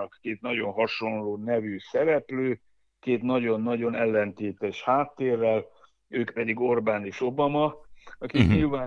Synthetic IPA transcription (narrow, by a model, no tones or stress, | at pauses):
kkeːt̪nɒɟo̞nɦɒʃo̞nloːnɛvysɛɾɛpløː | keːt̪nɒɟo̞nːɒɟo̞nɛlːɛnt̪eːt̪ɛʃhaːt̪ːeːrːɛl | øːkpɛd̪iɡo̞rbaːneːʃo̞bɒmɒɒkik̪ɲilvaː